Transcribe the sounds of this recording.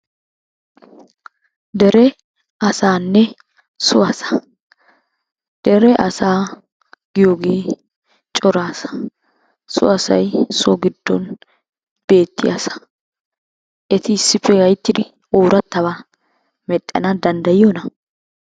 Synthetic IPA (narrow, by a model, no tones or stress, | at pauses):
d̪ɛɾɛ | ɐsaːnːɛ | sʊɐsɐ̥ | d̪̥ɛɾɛʔɐsaː | ɡɪjoːɡeː | t͡ʃʼɔɾaːsɐ̥ | sʊ̰ɐsɐ̰jsɔɡɪd̪̥ːɔn | b̥eːt̪ːɪja̰sɐ̥ | ʔɛt̪ʰɪɪsːɪfːɛɡɐjt̪ːɪd̪ɪ | oːɾɐt̪ːɐba | mɛt̪ʼːɛ̰nɐd̪ɐnd̪ɐjɪjonɐ